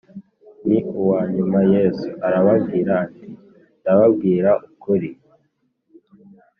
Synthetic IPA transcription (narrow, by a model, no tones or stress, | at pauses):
niuwaːɲumaje̞suaɾaβabɡiːɾaːti | ndaβab̚ɡiːɾaʔukuɾi